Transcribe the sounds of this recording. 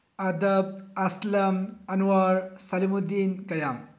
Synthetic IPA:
ɐd̪ɐb̚ɐslɐmɐnuwaɾsɐlimud̪ːinkɐjam

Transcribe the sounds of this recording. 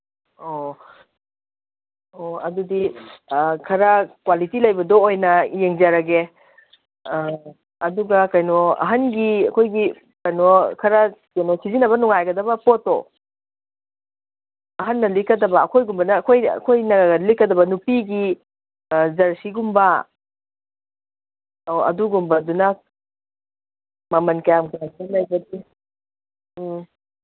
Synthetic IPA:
o | oɐdudi | kʰɐɾɐkwalitilɐjbɐdɔojnɐjeŋzaɾɐɡe | ɐduɡɐkɐjnɔɐ̰ɦɐnɡiɐkʰojɡi | kɐjnɔkʰɐɾɐkɐjnɔsizinɐbɐnuŋajɡɐdɐbɐpoto | ɐɦɐnːɐlikɐdɐbɐːkʰojɡumbɐnɐːkʰojɐ̰kʰojnɐlikːɐdɐbɐnupiɡi | zɐɾsiɡumbɐ | oɐ̰duɡumbɐdunɐ | mɐmɐnkɐjamkunatanlɐjbɐdi

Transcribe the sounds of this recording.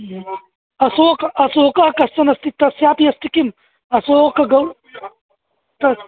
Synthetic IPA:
ɐsoːkɐsoːkɐɐkɐst͡sɐnɐst̪it̪ɐsjaːpiɐst̪ikim | ɐsokɐɡɐw | t̪ɐ

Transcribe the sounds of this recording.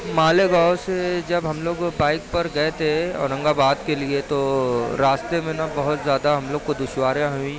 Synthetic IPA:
maːleɡaːʊsed͡ʒɐbɦɐmloːɡbaːɪk̚pɐɾɡɐt̪ʰeɔ̰ːɾnɐ̃ŋɡabaːd̪keliet̪oɾaːst̪emẽnɐbɐɦʊt̪zjaːd̪aɦɐmloːɡkod̪ʊʃwaːɾjãɦuĩ

